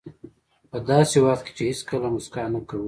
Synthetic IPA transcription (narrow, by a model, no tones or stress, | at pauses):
pəd̪ɑsewaχt̪̚ke̥t͡ʃeheskəlamʊskɑnakawi